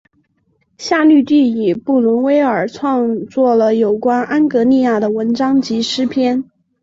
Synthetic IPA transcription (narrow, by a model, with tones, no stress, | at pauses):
ɕja˥˧ly˥˧t̪y˥˩i˨˩pu˥˩lʊ˧˥nwe˥ɪə˞˨˩ʈ͡ʂʰwɑ˥˧ŋt͡swɔ˥˩lə˩jo˨˩ʊkwa˥nʔa˥nkɤ˧˥li˥˧ja˥˩d̪ə˩wə˧˥nʈ͡ʂɑ˥ŋt͡ɕi˧˥ʂɻ̩˥pʰjɛ˥n